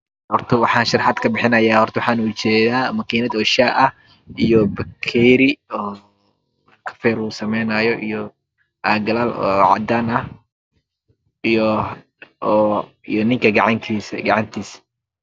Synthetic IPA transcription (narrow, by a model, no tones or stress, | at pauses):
hɔrt̪ʰɐwɑħɑːnʃɑrħɑd̪kʰɐbɪħɪnɐjaːhɔrt̪ɐwɑħɑːnut͡ʃɛːðaːmɐkʰiːnɐd̪ɔːʃaːʔɐh | ijɔbɐkʰɛːɾɪɔː | kʰɐ̥fɛːɾuːsɐmɛjnɐjɔʔijɔ | ʔaːɡɐlalɔ̰ːʕɑ̰d̪aːnɐh | j | ijɔnɪŋkʰɐɡɑʕɑŋkʰiːsɡɐʕɑnt̪ʰiːs